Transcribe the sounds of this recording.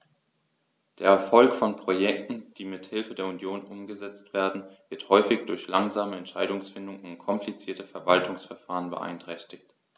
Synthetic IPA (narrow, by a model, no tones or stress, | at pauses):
d̥eːɐɛɐfɔlkfɔnpʁ̥ojɛk̚tn̩d̥iːmɪthɪlfədeːɐunjoːnʔʊmɡəzɛt͡stv̥eːɐdn̩vɪɐthɔʏfɪçd̥ʊɐçlaŋzaːməɛntʃaɪdʊŋsfɪndʊŋʊntkʰɔmplit͡siːɐtəfɛɐvaltʊŋsfɛɐfaːʁ̞ənbə̰ʔa̰ɪntʁ̥ɛçtɪkt